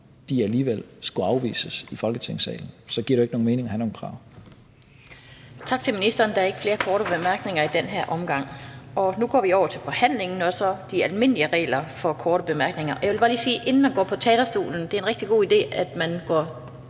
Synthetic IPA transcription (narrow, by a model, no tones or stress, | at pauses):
d̥iæliːʋel̰sɡ̥uɑ̈ʊʋḭːsəsifɒ̽lɡ̥ət͡sʰeŋ̰sɛ̰ːln̩sɒ̽ɡ̥ḭɐɾ̥ue̝ɡ̥əno̝ːŋ̩me̝ːne̝ŋhænoːŋ̩kʰʁɑ̰̈ʊ̰ | t͡sʰɑ̈ɡ̥̚t͡sʰe̝lminisd̥ɐːnd̥ɑæɐeɡə̥fle̝ːɐkʰɒːɾəb̥e̝mæɐɡ̥ne̝ŋɐid̥enɦeɐ̰ʔɒ̽mɡ̥ɑ̈ŋ̰ɒ̽nuɡ̥ɒ̰ːʋiɒʊ̰ɐt͡sʰe̝lfɒ̽hæn̰le̝ŋn̩ɒ̽sɒ̽d̥iælme̝n̰əliəʁɛ̰ːlɐfɒ̽kʰɒːɾ̥əb̥e̝mæɐɡ̥ne̝ŋɐʔɒjaʋe̝lb̥ɑːliːsiːʔe̝nn̩mænɡɒ̰ːpʰɒ̽t͡sʰɛːd̥ɐsd̥o̝̰ːln̩d̥eæɐenʁɛɡ̥d̥iɡ̥o̝̰ːid̥e̝̰ːæd̥mænɡ̥ɒ